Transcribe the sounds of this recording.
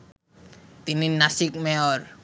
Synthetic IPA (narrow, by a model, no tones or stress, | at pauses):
t̪ininasɪk̚mɛɔr